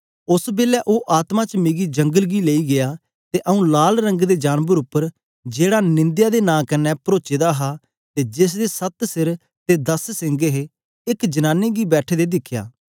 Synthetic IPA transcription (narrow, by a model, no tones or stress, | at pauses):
ʊsbeːlɛːʔoːʔaːt̪mãt͡ʃmeːɡid͡ʒə̃ŋɡəlɡileːiɡɪjaː | t̪eʔəũːlaːlɾə̃ŋɡd̪ed͡ʒaːnbəɾʊpːəɾ | d͡ʒeːɽaːnɪ̃nd̪jaːd̪eːnãːkənːɛpəɾoːt͡ʃeːd̪aɦa | t̪eːd͡ʒɪs̬d̪eːsət̪sɪɾ | t̪ed̪əssɪ̃ŋɡeɦe | ɪkd͡ʒənaːnːeːɡibɛːʈʰeːd̪ed̪ɪkʰːja̰ː